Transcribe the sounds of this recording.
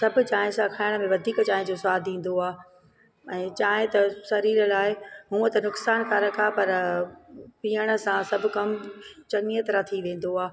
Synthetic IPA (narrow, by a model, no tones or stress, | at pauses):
sɐbʱʊ̆t͡ɕaːɦɪ̃sãkʰaːɪɽ̃mẽʋɐd̪ʱiːkt͡ɕaːɦɪ̃d͡ʑosʊaːd̪ʱĩːn̆d̪oaː | ɛ̃ːt͡ɕaːɦɪ̃t̪ɐsɐɾiːɾəlaːɪɦũːət̪ɐnʊksaːnkʰaɾɐkʰapɐɾ | piːəɽ̃ə̆sãsɐbʱʊ̆kɐmt͡ɕɐnijət̪ɾat̪ʰiʋẽːn̆d̪oaː